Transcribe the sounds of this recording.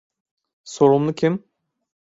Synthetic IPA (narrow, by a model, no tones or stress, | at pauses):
so̞ɾumlˠukʰim